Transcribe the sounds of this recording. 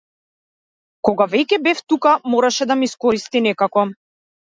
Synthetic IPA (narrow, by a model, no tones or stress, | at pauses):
kɔɡavɛcɛbɛft̪ukamɔɾaʃɛd̪amiskɔɾist̪inɛkakɔ